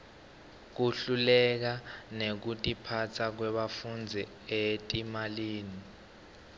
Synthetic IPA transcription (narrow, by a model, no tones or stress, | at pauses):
k̬uɬulɛk̬anek̬utʼipʰat͡sʰak̬wɛɓafund͡zʱi | etʼimaliːni